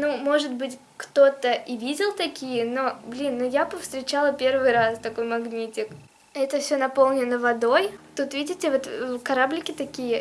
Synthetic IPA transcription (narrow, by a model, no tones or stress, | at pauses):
numo̞ʐɨt̪̚bɨtʲ | kt̪o̞t̪əʔivʲidʲɪlˠt̪ɐkʲijəno̞blʲinːujapəfst̪ɾʲɪt͡ɕalˠəpʲe̞rvɨjɾast̪ɐko̞jmɐɡnʲitʲɪk | ɛt̪əfsʲonɐpo̞lˠnʲɪnəvɐd̪o̞jt̪ut̪vʲidʲɪtʲɪvot̪kɐɾablʲɪkʲɪt̪ɐkʲijə